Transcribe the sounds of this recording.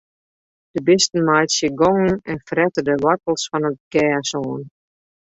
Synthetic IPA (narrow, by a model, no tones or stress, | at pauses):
d̥əbɪstn̩majsjəɡɔŋn̩ɛnfrɛtədəʋɔrtl̩ˠsfɔnət̚ɡɛːsoːn